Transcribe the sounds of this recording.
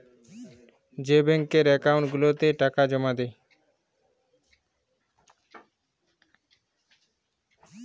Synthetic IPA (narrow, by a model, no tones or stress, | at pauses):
d͡ʑebɛŋkeɾɛkauɳʈɡulot̪eʈakad͡ʑɔmad̪e